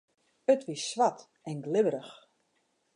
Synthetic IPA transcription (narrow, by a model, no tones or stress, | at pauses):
ətʋisʋat | ɛnɡlɪʋəɾəx